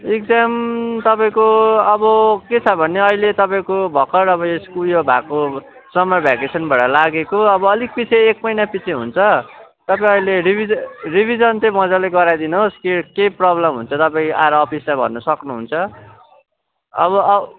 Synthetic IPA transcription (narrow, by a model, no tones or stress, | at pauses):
ek̚d͡zamt̪ʌpaĩkoʌbʌket͡sʰʌbʱʌneʌɦilet̪ʌpaĩkobʱʌkʌɾʌβʌeskujobʱako | sʌmʌbʱakesʌnbaʈʌlaɡekoʌbʌʌlik̚pit͡sʰeek̚mʌjnapit͡sʰeɦṵnt͡sʰʌ | t̪ʌpaĩʌileɾibʱiribʱid͡zʌnt͡sʌ̃mʌd͡zaleɡʌɾajd̪inoskikeprʌblʌmɦunt͡sʰʌt̪ʌpãĩʔaɾʌːpʰislabʱʌ̰nːʌsʌknuɦunt͡sʰʌ | ʌ̰βʌ